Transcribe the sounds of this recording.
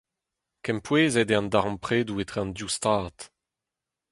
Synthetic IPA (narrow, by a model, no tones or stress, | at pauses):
kɛmpweːzɛdeɑ̃ndaʁmpχeːduet̪χeɑ̃nd̪just̪aːt̪